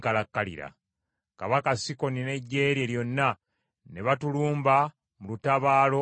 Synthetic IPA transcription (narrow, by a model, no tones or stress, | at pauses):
kalakːalḭɾa̰ | kaβakasiko̞nine̞ɟːe̞ːɾje̞ljo̞nːa | ne̞βatuluːmba | mulutaβaːlo̞